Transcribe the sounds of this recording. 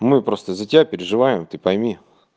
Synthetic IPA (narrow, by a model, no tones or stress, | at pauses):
mɨpɾo̞st̪əzətʲɪbʲapʲɪɾʲɪʐɨvajɪmt̪ɨpɐjmʲi